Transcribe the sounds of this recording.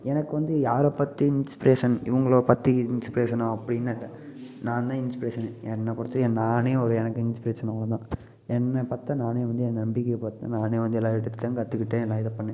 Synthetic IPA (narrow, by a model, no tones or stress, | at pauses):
ɛnɐkːɯʋɐnd̪ɯjaːɾɐpɐt̪ːɯɪnspɪɾeːʂɐnɪʋɐŋɡɐɭoːɐpɐt̪ːiɪnspɪɾeːʂɐnaːɐpːɐɽɪnːɐlːɐ | nãːnd̪ãːɪnspɪɾeːʂɐneɛnːɐpɔɾɐt̪ːɯɛ̃naːneːɔɾɯɛnɐkːɯɪnspɪɾeːʂɐnɐlɐ̃t̪ãː | ɛnːɐpaːɾt̪ːɐnaːneːʋɐnd̪ɯɛnɐmbɪkːejɐpaɾt̪ɐ̰naːneːʋɐnd̪ɯɛlːaːɪʈːɯt̪ːɯẽːnkɐt̪ːɯkːɪʈːẽːɛlːãːɪðɐpɐɳːẽ